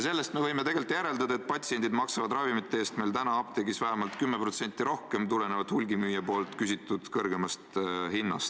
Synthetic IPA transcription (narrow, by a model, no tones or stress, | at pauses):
jɑse̞lːe̞st̪me̞vɤjme̞t̪e̞ɡ̥e̞lt̪jæɾe̞ld̪ɑd̪ɑet̪̚pɑt̪sie̞nʲd̪id̪mɑksɑvɑd̪rɑvimit̪ːˑeeːst̪mejlt̪ænɑɑb̥̚t̪e̞ɡisvæɦemɑlt̪kymːepɾo̞t̪se̞nʲt̪ːˑiɾo̞hke̞mt̪ulene̞vɑd̪hulʲɡimyːjɑpo̞ːlt̪ˑkysʲit̪ːˑud̪̥kɤrɡe̞mɑst̪hinːɑst̪